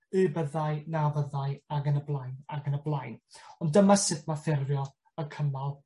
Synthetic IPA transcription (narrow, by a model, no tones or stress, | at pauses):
ɨbəðaɨnavəðaɨaɡənəblˠajnaɡənəblˠajnɔndəmasɨdmaθɪrvjɔ | əkʰəmalˠ